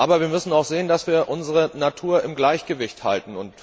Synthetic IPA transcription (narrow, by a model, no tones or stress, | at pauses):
ʔaːbɐviːɐmʏsn̩aʊxz̥eːəndasv̥iːɐʔʊnzəʁənatʰuːɐɪmɡlaɪçɡ̥əvɪçtha̰ltn̩ʊnt